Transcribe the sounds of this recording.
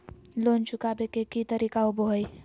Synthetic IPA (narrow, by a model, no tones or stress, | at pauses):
loːnt͡ʃʊkabekekit̪əɾiːkaoboɦəj